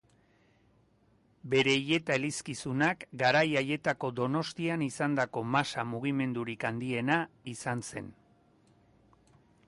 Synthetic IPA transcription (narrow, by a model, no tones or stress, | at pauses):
be̞ɾe̞ije̞t̪aeliskisunakɡaɾajaje̞t̪ako̞d̪o̞no̞st̪ianisand̪ako̞masamuɣime̞nd̪uɾikand̪ie̞naisanse̞̰n